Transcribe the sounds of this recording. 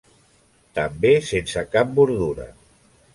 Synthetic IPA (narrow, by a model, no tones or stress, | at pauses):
t̪əmbesensəkap̚buɾðuɾə̰